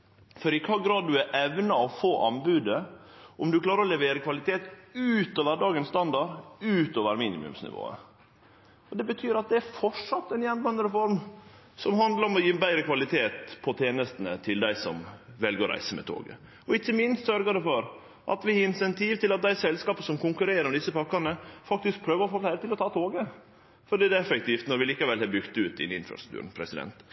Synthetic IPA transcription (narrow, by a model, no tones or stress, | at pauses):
fɔɾɪkʰɑːɡɾɑːd̪̚ːʉæɾʔɛʋnɑɔfoːʔɑnbʉːd̪ə | ɔmd̪ʉkʰlɑːɾəɾɔlɛʋeːɾəkʰʋɑlɪt̪ʰeːt̪ʉːt̪oːʋəɖɑːɡənst̪ɑnd̪ɑɾʉːt̪oːʋəɾmiːnɪ̰mʉ̰msnɪ̰ʋo̰ːə̰ | ɔd̪ɛbət̪ʰyːɾɑt̪̚d̪ɛæɾfɔʂɑt̪ːɛnjɛnbɑnəɾəfɔɾm | sɔmhɑnd̪ləɾɔmɔjiːbæɪɾəkʰʋɑlɪt̪ʰeːt̪pʰɔt̪ʰeːnəst̪ənət̪ʰɪld̪æɪsɔmʋɛlɡəɾɔɾæ̰ɪsəmɛ̰t̪ʰo̰ːɡə̰ | ɔɪçːəmɪnst̪sœɾɡəɖ̪ɛfɔɾ | ʔɑ̰t̪ʋɪɪnsɛnt̪ʰiːʋt̪ɪlɑt̪̚d̪æɪsɛlskɑːpəsɔmkʊŋkʉɾeːɾəɾmɛd̪ɪsːəpɑkːɑnəfɑk̚t̪ɪsk̚pʰɾøːʋəɾɔfoːflæɪɾət̪ɪlɔt̪ʰɑːt̪ʰoːɡə | fɔɖiːd̪ɛɛfək̚t̪ʰiːft̪nɔɾʋɪliːkɑʋɛlhɛbʏkt̪ʉːt̪d̪ɪ̰nɪ̰nfɾɑ̰st̪ɾʉ̥kt̪ʉ̰ːɾn̩pʰɾɛsɪd̪ɛ̰nt̪